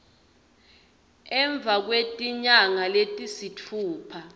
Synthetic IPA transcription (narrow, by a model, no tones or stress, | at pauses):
ɛɱb̪vʱak̬wetʼiɲaŋaletʼisitʰuːpʰa